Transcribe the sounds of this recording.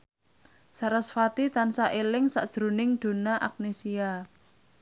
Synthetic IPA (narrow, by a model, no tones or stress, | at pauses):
saɾasfat̪it̪ansaʔelɪŋsa̰d̥ʒ̥ɾonɪŋd̪̥o̤naʔak̚nesia